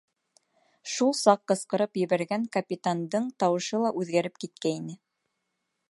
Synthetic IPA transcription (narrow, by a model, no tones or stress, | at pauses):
ʃulˠsɑqːɤ̆sqɤ̆ɾɤpjɘ̆βæɾɡæŋkɐpʲit̪and̪ɤɴt̪ɑwɤ̆ʃɤlˠɑʔʉðɡæɾɘpkit̪̚kæinɘ